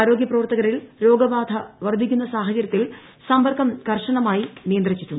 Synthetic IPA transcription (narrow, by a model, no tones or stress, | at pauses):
aːɾo̞ːɡjɐprɐʋɐrt̪ɐɣɐɾilɾo̞ːɡɐbaːd̪ʱɐʋɐrd̪ʱikʲːunːɐsaːɦɐt͡ɕɐɾʲjɐt̪ːil | sɐmbɐrkɐmkɐrʂɐɳɐmaːjinijɐnd̪rit͡ɕːitːu